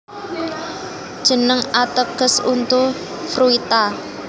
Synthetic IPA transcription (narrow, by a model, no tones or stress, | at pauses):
d̥ʒ̥ə̤nəŋat̪əɡ̥əsunt̪u | fɾuit̪a